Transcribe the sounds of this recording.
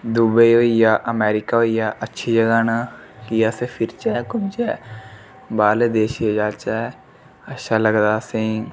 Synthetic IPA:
d̪ubəioːijaːʔəmɛːɾɪkaːoijaːʔətːʃʰiːd͡ʒəɡaːnakɪjaːseːpʰɪɾt͡ʃɛːkʊnt͡ʃɛː | baːled̪eːʃed͡ʒaːt͡ʃɛː | əʃʰaːləɡd̪aːsẽː

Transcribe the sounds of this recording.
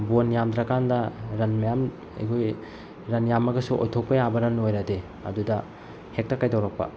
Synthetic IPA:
bonjamdɾɐkandɐɾɐnmɐjam | ḛjkʰoj | ɾɐnjamɐɡɐsuʔo̰jtʰok̚pɐjabɐɾɐnojɾade | ɐ̰dudɐ | hek̚tɐkajtawɾɐk̚pɐ̰

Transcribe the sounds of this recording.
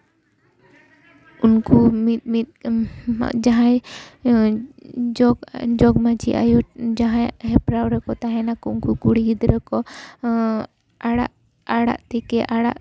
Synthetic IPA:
unkumit̪̚mit̪̚ | d͡ʒaɦãj | d͡ʒɔɡd͡ʒɔɡmat͡ʃḭʔa̰jɔd͡ʒaɦãɦɛpɾawɾɛkɔt̪aɦɛnakɔunkukuɽiid̪ɾɛkɔ | ɽa̰ʔ | aɽa̰ʔt̪ɛkɛʔaɽa̰ʔ

